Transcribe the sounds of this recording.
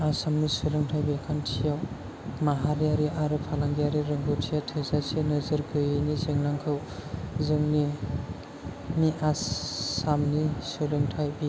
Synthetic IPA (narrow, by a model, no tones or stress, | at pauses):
asamnisuɾɯŋtʰajbikʰantʰijaw | maɦaɾijaɾiʔaɾɯpʰalaŋɡijaɾiɾɯŋɡɯtʰijatʰezasʰianɯzɯɾɡɯjɯnizɯŋlaŋkʰɯw | zɯŋni | miʔasamnisuɾɯŋtʰajbi